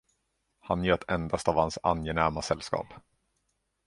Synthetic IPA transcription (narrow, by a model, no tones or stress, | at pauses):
hanjœːt̪ʰɛnd̪ast̪avhansa̰njɛnæɾmasɛlːskɑ̰ːp